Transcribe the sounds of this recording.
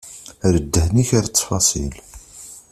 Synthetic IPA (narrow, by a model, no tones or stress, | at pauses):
ɾəd̪ːəhniçaɾt͡sːfɑsˤḭl